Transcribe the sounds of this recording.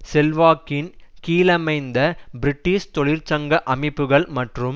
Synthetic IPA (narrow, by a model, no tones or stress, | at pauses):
sɛlʋaːkːɪnkiːlɐmɐɪnd̪ɐbɪɾɪʈːist̪ɔɭɪɾt͡ʃɐŋɡɐʔɐmɪpːɯɣɐɭmɐʈrɯm